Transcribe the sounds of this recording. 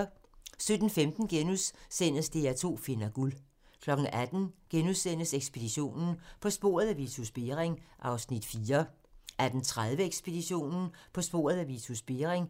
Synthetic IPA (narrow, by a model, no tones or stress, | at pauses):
sød̥n̩femd̥n̩ɡ̥enussen̰əsd̥e̝æt͡sʰo̝̰ːfe̝nɐɡ̥ul | kʰlɒ̽ɡ̥ŋ̩æd̥n̩ɡ̥enusen̰əseɡ̥sb̥e̝d̥iɕo̝̰ːnn̩pʰɒ̽sb̥o̝̰ːɐð̞ˠæʋisʰusb̥e̝ʁeŋʔɑ̈ʊsnid̥fiːɐ | ʔæɐd̥ent͡sʰʁað̞ˠʋəeɡ̥sb̥e̝d̥iɕo̝̰ːnn̩pʰɒ̽sb̥o̝̰ːɐð̞ˠæʋisʰusb̥e̝ɐʁeŋ